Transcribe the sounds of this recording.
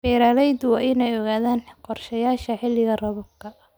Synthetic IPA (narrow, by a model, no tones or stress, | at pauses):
fɛːɾalɛjd̪wɑʔɪnɛjɔɣaːðaːnqɔrʃɐjaːʃɐħɪlɪɣɐrɐβʊbkʰɐ